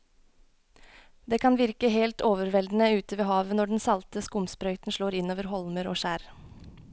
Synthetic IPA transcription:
d̪eːkʰɑnʋɪɾkəɦeːlt̪oːʋəɾʋɛld̪n̩əʉːt̪əʋeːhɑːʋənɔɖɛn̩sɑlt̪əskʊmspɾœʏt̪n̩ʃloːɾɪnoːʋəɾɦɔlməɾo̰ːʃæːɾ

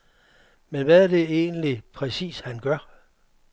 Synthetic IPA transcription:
menʋæɐd̥e̝e̝ːnlipʰʁɛsḭːshænɡ̥ɶɐ

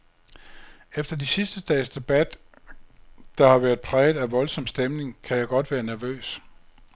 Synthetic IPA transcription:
efd̥ɐd̥isisd̥əd̥ɛ̰ːsd̥e̝b̥æd̥ | d̥ɑ̈hɑ̈ʋæɐð̥ˠpʰʁɛːð̩ˠæʋɒ̽lsɒ̽msd̥emne̝ŋkʰæjɑ̈ɪɡ̥ɒ̽d̥ʋæːɐnæɐʋø̰ːs

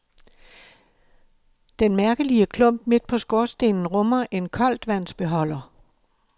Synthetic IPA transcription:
d̥enmæɐɡ̥əliəkʰlɔ̽m̰b̥me̝d̥̚pʰɒ̽sɡ̥ɔɐsd̥e̝ːnn̩ʁɔ̽mɐʔe̝nkʰɒ̽l̰d̥ʋæn̰sb̥e̝ɦɒ̽l̰ɐ

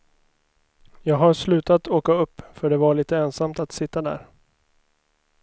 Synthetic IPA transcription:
jɑːɡɦaɾʂlʉ̟ːt̪at̪oːkaɵpːfœɖɛvaɭiːt̪əɛnsamt̪at̪sɪt̪ːad̪æ̰ːɾ

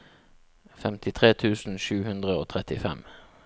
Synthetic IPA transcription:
fɛmt̪ɪt̪ʰʁeːt̪ʰʉːsn̩ʃʉːhʉnd̪ʁəoːt̪ʰʁɛt̪ɪfɛ̰m

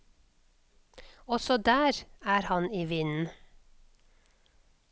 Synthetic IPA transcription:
ɔsɔd̪æːɾæːɾhɑniːʋɪnn̩

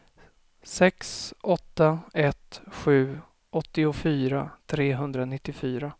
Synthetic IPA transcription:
sɛksʔɔt̪ːaɛt̪ɧʉ̟ː | ɔt̪ːɪʊfyːɾat̪ʰɾeːɦɵnd̪ɾanɪt̪ːɪfyːɾa

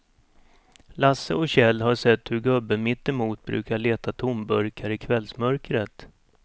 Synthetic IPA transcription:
lasːəɔɕɛlːɦaʂɛt̪ːhɵɾɡɵbːəmɪt̪ːɛmuːt̪̚bɾʉ̟ːkaɭeːt̪at̪ʰʊmbɵɾkʰaɾɪkʰvɛlsmœɾkɾət̪

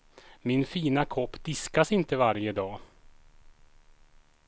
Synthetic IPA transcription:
mɪnfiːnakʰɔpːd̪ɪskasɪnt̪əvaɾjəd̪ɑː

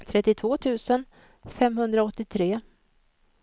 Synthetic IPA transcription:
t̪ʰɾɛt̪ːɪt̪ʰvoːt̪ʰʉ̟ːsən | fɛmɦɵnd̪ɾaɔt̪ːɪt̪ʰɾeː

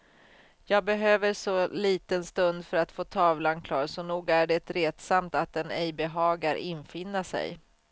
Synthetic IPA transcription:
jɑːɡ̚bɛɦøːvəɾʂɔliːt̪ənst̪ɵnd̪fœɾat̪foːt̪ʰɑːvlankʰlɑːɾsɔnuːɡæɖɛt̪ɾeːt̪samt̪at̪̚d̪ɛnɛjbɛɦɑːɡaɾʔɪnfɪnːasɛ̰j

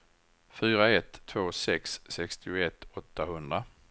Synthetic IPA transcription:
fyːɾaɛt̪ʰːvoːsɛksːɛkst̪ɪʊɛt̪ʰːɔt̪ːahɵnd̪ɾa

